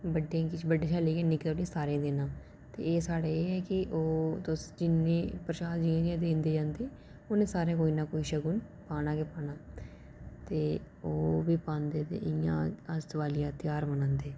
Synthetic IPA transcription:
bəɖekɪt͡ʃbəɖːeːt͡ʃʰaːleːkeːnɪklɽĩːsaːɾẽːd̪eːnaː | t̪ḛːeːsaːɽeːeːɛːkɪʔoːd̪osd͡ʒɪnːẽːpɾəʃaːd̪d͡ʒɪãːd͡ʒɪãːd̪ẽːnd̪eːd͡ʒãːnd̪eː | onẽːsaːɾẽːk̬oːiːnaːkoːiːʃəɡuːn | paːnaːkeːpaːnaː | t̪eː | oːbiːpãːnd̪eːt̪ḛːʔɪjã̰ːəst̪ʋaːlɪjãːt̪ɪjaːɾmənãːnd̪eː

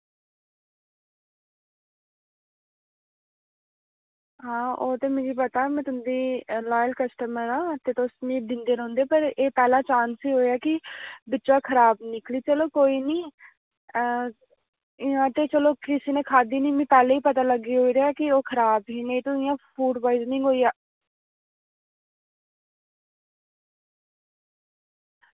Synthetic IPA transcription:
ɦãːʔoːt̪eːmẽːɡiːpət̪aːmɛ̃ːt̪ʊnd̪iːlaːjəlkəsʈəməɾãːt̪eːt̪osnĩːd̪ɪ̃nd̪eːɾɔ̃ːnd̪eːpəɾeːpɛːlãːt͡ʃaːnsiːɦoːeaːkɪbɪt͡ʃãːkʰəɾaːbnɪkliːt͡ʃəloːkoːiːniː | ãːt̪eːt͡ʃəloːkɪsiːnẽːkʰaːd̪iːniːmɪ̃ːpɛːleiːpət̪aːləɡiːɦoːiɾeaːkɪoːkʰəɾaːbɦiːnẽːt̪õːɪjãːpʰuːɖbaːiznĩːɡoːijaː

